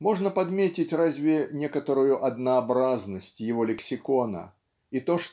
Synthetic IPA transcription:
mo̞ʐnəpɐd̪mʲetʲɪtʲrazʲvʲɪnʲe̞kət̪əɾʊjʊʔɐd̪nəːbɾaznəsʲtʲjɪvo̞lʲɪksʲɪko̞nə̰ | it̪o̞ʂ

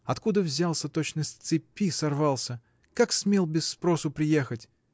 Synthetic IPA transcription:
ɐt̪kud̪əvzʲalˠsʲət̪ot͡ɕnəsʲt̪sɨpʲːisɐrvɑlˠsʲə | kaksmʲe̞lˠbʲɪsːpɾo̞sʊpɾʲɪjexətʲ

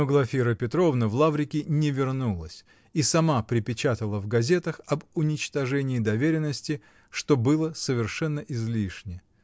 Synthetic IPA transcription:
oɡlˠɐfʲiɾəpʲɪt̪ɾo̞vnəvlˠavɾʲɪkʲɪnʲɪvʲɪrnulˠə̰sʲ | isɐmapɾʲɪpʲɪt͡ɕat̪əlˠəvɡɐzʲe̞t̪əxɐbʊnʲɪt͡ɕt̪ɐʐɛnʲɪːd̪ɐvʲeɾʲɪnːəsʲtʲɪ | ʂt̪o̞bɨlˠəsəvʲɪrʂɛnːəʔɪzlʲiʂnʲɪ

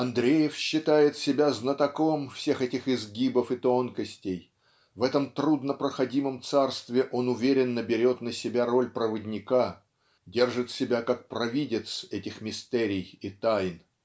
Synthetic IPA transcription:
ɐnd̪ɾʲejɪfɕːɪt̪ajɪt̪sʲɪbʲaznət̪ɐko̞mfsʲe̞xɛtʲɪxɪzɡʲibəfɨt̪o̞nkəsʲtʲɪj | vɛt̪əmt̪ɾud̪nəpɾəxɐdʲiməmt̪sarst̪vʲɪʔo̞nʊvʲeɾʲɪnːəbʲɪɾʲo̞t̪nəsʲɪbʲaɾo̞lʲpɾəvədʲnʲɪka | dʲe̞rʐɨt̪sʲɪbʲakak̚pɾɐvʲidʲɪt̪sɛtʲɪxmʲɪst̪ɛɾʲɪjit̪ajn

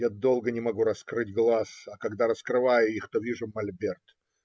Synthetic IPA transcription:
jad̪o̞lˠɡənʲɪmɐɡuɾɐskɾɨtʲɡlˠasɐkɐɡd̪aɾəskɾɨvajʊixt̪ovʲiʐʊmɐlʲbʲert̪

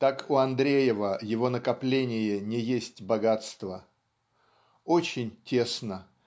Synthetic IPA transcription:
t̪akʊɐnd̪ɾʲejɪvəjɪvo̞nəkɐplʲenʲɪjənʲɪjesʲtʲbɐɡat̪st̪və | ot͡ɕɪnʲtʲe̞snə

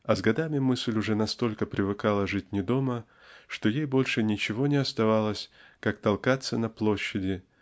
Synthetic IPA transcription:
ɐzɡɐd̪amʲɪmɨsʲlʲʊʐɛnɐst̪o̞lʲkəpɾʲɪvɨkalˠəʐɨt̚ʲnʲɪd̪o̞mə | ʂt̪o̞jejbo̞lʲʂɨnʲɪt͡ɕɪvo̞nʲɪɐst̪ɐvalˠəsʲkak̚t̪ɐlˠkat̪sːənɐplˠo̞ɕːɪdʲɪ

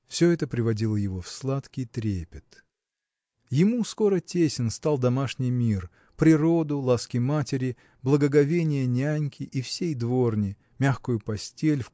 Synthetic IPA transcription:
fsʲɵɛt̪əpɾʲɪvɐdʲilˠəjɪvo̞fslˠat̪kʲɪjt̪ɾʲepʲɪt̪ | jɪmusko̞ɾətʲesʲɪnst̪alˠd̪ɐmaʂnʲɪjmʲir | pɾʲɪɾo̞d̪ʊlˠaskʲɪmatʲɪɾʲɪ | blˠəɡəɡɐvʲenʲɪjənʲanʲkʲɪʔifsʲejd̪vo̞rnʲɪ | mʲaxkʊjʊpɐsʲtʲelʲf

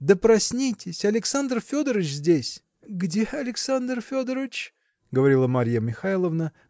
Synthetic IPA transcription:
d̪əpɾɐsʲnʲitʲɪsʲɐlʲɪksand̪rfʲod̪əɾət͡ɕzʲdʲesʲ | ɡdʲeɐlʲɪksand̪rfʲod̪əɾəvʲɪt͡ɕ | ɡəvɐɾʲilˠəmaɾʲjəmʲɪxajlˠəvnə

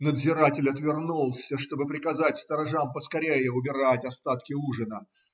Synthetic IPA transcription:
nəd̪zʲɪɾatʲɪlʲɐt̪vʲɪrnulˠsʲəʂt̪o̞bɨpɾʲɪkɐzatʲst̪əɾɐʐampəskɐɾʲejɪʊbʲɪɾatʲɐst̪at̪kʲɪuʐɨnə

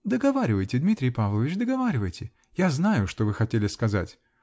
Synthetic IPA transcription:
d̪əɡɐvaɾʲɪvəjtʲɪd̪mʲit̪ɾʲɪjpavlˠəvʲɪt͡ɕd̪əɡɐvaɾʲɪvəjtʲɪ | jaznajʊʂt̪o̞vɨxɐtʲelʲɪskɐza̰tʲ

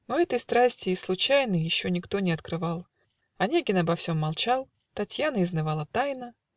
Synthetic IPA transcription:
noɛt̪əjst̪ɾasʲtʲɪːslˠʊt͡ɕajnəjjɪɕːo̞nʲɪkt̪o̞nʲɪɐt̪kɾɨvɑlˠ | ɐnʲeɡʲɪnɐbɐfsʲo̞mːɐlˠt͡ɕalˠ | t̪ɐtʲjanəɪznɨvalˠət̪ajnə

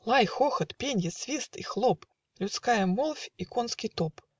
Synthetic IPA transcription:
lˠajxoxət̪pʲenʲjɪsvʲist̪ixlˠop | lʲʊt̪skajəmolˠfʲikonskʲɪjt̪op

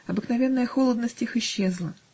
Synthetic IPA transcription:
ɐbɨknɐvʲe̞nːəjəxo̞lˠəd̪nəsʲtʲixɪɕːezlˠə

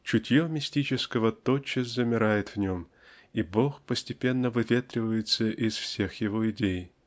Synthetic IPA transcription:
t͡ɕʊtʲjomʲɪsʲtʲit͡ɕɪskəvət̪ot͡ɕːɪsʲzəmʲɪɾajɪt̪vnʲo̞m | ibo̞xpəsʲtʲɪpʲe̞nːəvɨvʲet̪ɾʲɪvəjɪt̪səʔɪsfsʲe̞xjɪvoɪdʲej

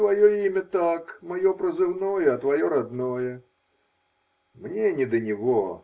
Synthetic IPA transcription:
vɐjoimʲət̪akmɐjopɾəzɨvnojəɐt̪vɐjoɾɐd̪nojə | mnʲenʲɪd̪ənʲɪvo

